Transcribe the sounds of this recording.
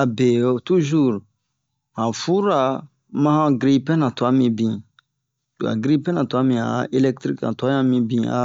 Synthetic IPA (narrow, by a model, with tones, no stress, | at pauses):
a˨be˨o˨tu˦ʒu˦ɾ | hã˨fu˦ɾa˨ | mã˦hã˦ɡɾi˦pɛ̃˦nã˨tu˨a˦mĩ˧bĩ˨ | tu˨a̰˨ɡɾi˦pɛ̃˦nã˨tu˨a˨˦mĩ˨a̰˨e˦lɛ˦k̚t̪ɾi˦knã̰˨tu˨a˦ɲã˦mĩ˧˦bĩ˨a̰˨